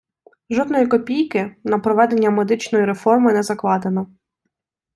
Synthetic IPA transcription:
ʒɔd̪nɔjikɔpʲijkɪnɐpɾɔʋɛd̪enʲːɐmed̪ɪt͡ʃnɔjiɾefɔrmɪnɛzɐklˠɑd̪e̞nɔ

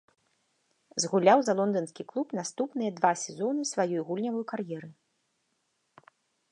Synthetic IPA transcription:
zɣulʲawzɐlˠɔnd̪ɐnskʲiklˠupnast̪upnɨjɐd̪vasʲɛzɔnɨsvajɔjɣulʲnʲɐvɐjukarjɛɾɨ

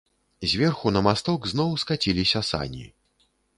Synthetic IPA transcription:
zʲvʲɛrxunɐmast̪ɔɡznɔwskat͡sʲilʲisʲɐsa̰nʲḭ

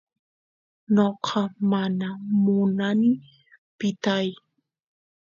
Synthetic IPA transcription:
noqʰɑmanamʊnanɪ | pɪt̪aj

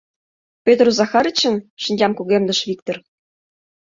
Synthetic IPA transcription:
pʲøt̪rozɑxɑɾət͡ɕə̆nʃə̆nʲd͡ʑʲɑmkuɣemd̪ə̆ʃβʲik̚t̪ŏr

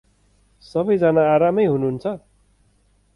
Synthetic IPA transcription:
sʌbʌjd͡zanaːɾamʌjɦunuɦnt͡sʰʌ

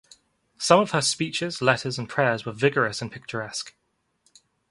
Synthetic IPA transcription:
sʌ̃məv̥əspiˑt͡ʃɪzlɛtʰəzə̃npʰɹ̥ɛːzwəvɪɡəɹəsə̃npʰɪk̚t͡ʃəɹɛsk

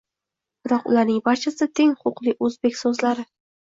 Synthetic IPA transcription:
b̥ɪɾɒqʊ̰lˠaɾnɪŋbaɾt͡ʃʰast̪ʰeŋχʰʊqlˠɪʔɵzbe̞kʲsozlaɾɪ

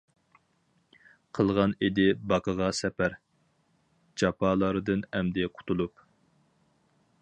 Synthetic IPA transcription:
qʰəlˠʁɑned̪ɪbɑqʰəʁɑsɛpæɾ | d͡ʒɑpɑlˠɑɾɨd̪ɨnɛmd̪ɪqʰʊ̥t̪ʰulˠup

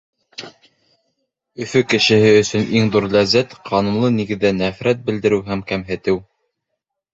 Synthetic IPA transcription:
ɵ̆fɵkɘ̆ʃɘ̆hɘɵ̆sɵ̆nʔiŋðuɾlæzːæt̪qʰɑnumlˠɤniɡɘ̆ðːænæfɾæt̪̚bɘ̆ld̪ɘ̆ɾɘwɦæmkæmɦɘ̆t̪ɘw

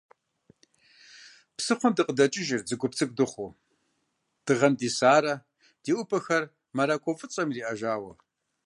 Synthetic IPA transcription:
psɨχʷʊmdɨqʼədɐt͡ʃʼɪʒɪrd͡zɨɡʷʊpt͡sʰɨk̚ʼdɨχʷu | d̥ɨʁɐmdiːsaːɾɐ | d̥iːʔʷʊpʰɐxɐr | mɐɾakʷʰʼofʼɨt͡sʼɐmriːʔɐʒaːwɐ̰

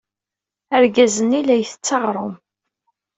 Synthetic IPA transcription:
əɾɡæzənːilæjθə̥t͡sːɑʁɾˤom

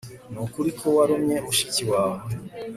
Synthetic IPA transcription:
nokuɾikʰowaɾomɲeʔoʃi̥ciwa

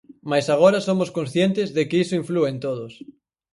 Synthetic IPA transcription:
majsaɣ̞oɾɐsomoskõnsθjent̪ɪzðɪkɪisʊiɱfluent̪oðʊs

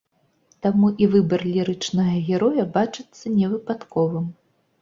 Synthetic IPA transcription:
t̪amuʔivɨbɐrlʲiɾɨt͡ʂnɐɣɐɣʲɛɾɔjɐbat͡ʂɨt̪sːɐnʲɛvɨpat̪kɔvɨm

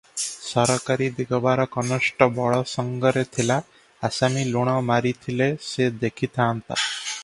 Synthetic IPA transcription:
sɔɾɔkaɾid̪eɡɔbaɾɔkɔnɔsʈɔbɔɭɔsɔŋɡɔɾet̪ʰilaː | samiluɽ̃ɔmaɾit̪ʰilesed̪ekʰit̪ʰaːnt̪a̰

